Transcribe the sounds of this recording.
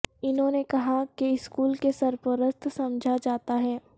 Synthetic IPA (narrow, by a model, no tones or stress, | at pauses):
ɪnɦõːnekɐɦakeɪskuːlkesɐɾpəɾəst̪ʰsɐmd͡ʒʱad͡ʒaːt̪aɦɛː